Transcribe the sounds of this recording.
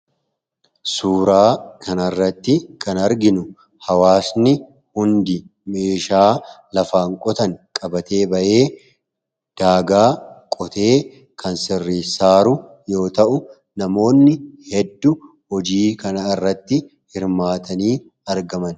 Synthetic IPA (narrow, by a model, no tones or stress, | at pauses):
suːɾaːkʰɐnɐrːɐt̪ːɪkɐnɐɾɡɪnʊ | hɐwaːsnɪ | hʊnd̪ɪme̞ːʃaːlɐfaːŋkʼɔt̪ɐŋkʼɐbɐt̪e̞ːbɐʔe̞ː | d̪̥aːɡaːkʼɔt̪ʰe̞ː | kʰɐnsɪrːiːsaːɾʊ | jo̞ːt̪ɐʔʊ | nɐmo̞ːnːɪhɛd̪ːʊ | hɔd͡ʒiːkɐnɐɪrːɐt̪ːɪ | hɪɾmaːt̪ʰɐniː | ɐɾɡɐmɐn